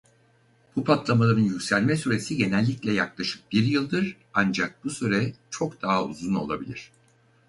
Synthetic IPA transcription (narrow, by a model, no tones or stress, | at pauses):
b̥upʰat̪lˠamalˠaɾɯnjycʲsælʲmɛsyɾe̞siɟe̞nɛlʲːiclʲɛjaklˠaʃɯ̥k̚biɾjɯlˠd̪ɯɾ | and͡ʒak̚b̥usyɾɛt͡ʃʰo̞kd̪̥aɦaṵzuno̞̰lˠa̰bilʲiɾ̝̥